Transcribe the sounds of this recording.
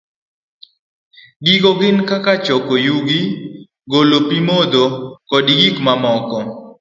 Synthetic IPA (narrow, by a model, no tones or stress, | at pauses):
ɡiɡoɡɪnkakat͡ʃɔkojuɡi | ɡolopimod̪okɔdiɡikmamɔkɔ